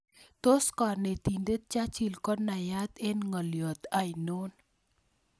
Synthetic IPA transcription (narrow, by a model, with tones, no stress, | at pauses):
t̪o˦skɔ˨ne˨t̪i˨nde˦t̪̚t͡ʃa˦t͡ʃi˨lkɔ˦na˨ja˦t̪e˦nŋɔ˨ljɔ˨t̪a˨jno˦n